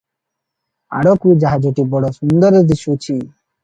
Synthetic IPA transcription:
a̰ɽokud͡ʑaɦad͡ʑoʈibɔɽosund̪ɔɾed̪iʃut͡ɕʰi

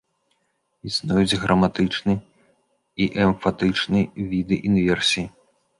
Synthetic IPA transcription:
isnɔjud͡zʲɣɾɐmat̪ɨt͡ʂnɨ | iʔɛmfat̪ɨt͡ʂnɨvʲid̪ɨʔinvʲɛrsʲiji

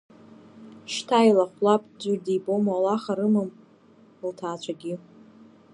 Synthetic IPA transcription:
ʃtʰailaχʷlapʼd͡ʒʷʊrdibʼomalaχaɾɨmɨm | ltʰaːt͡ɕʷʰaɡʲi

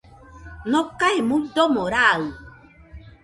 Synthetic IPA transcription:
nɔkaemudɔmɔɾaɣu

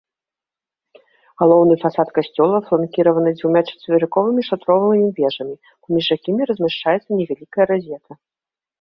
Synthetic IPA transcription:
ɣalˠɔwnɨfasat̪kasʲt͡sʲɔlˠɐflˠankʲiɾɐvɐnɨd͡zʲvuwmʲat͡ʂɛ̥t̪vʲɛɾɨkɔvɨmʲiʂat̪ɾɔvɨvɨmʲivʲɛʐɐmʲi | pamʲiʐjakʲimʲiɾɐzʲmʲɛʂt͡ʂajɛt̪sːɐnʲɛvʲalʲikɐjɐɾazʲɛt̪ʰɐ

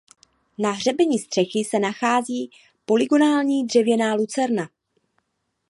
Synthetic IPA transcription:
naɦr̝ɛbɛɲiːst̪r̝̥ɛxɪsɛnaxaːziː | po̞lɪɡo̞naːlɲiːd̪r̝ɛvjɛnaːlut͡sɛɾna

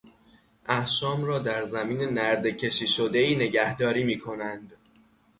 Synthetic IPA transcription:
ʔæhʃɒːmɾɒːd̪æɾzæmiːne̞næɾd̪ecʰe̞ʃiːʃo̞d̪e̞iːne̞ɟæhd̪ɒːɾiːmiːkʰo̞nænd̪̥

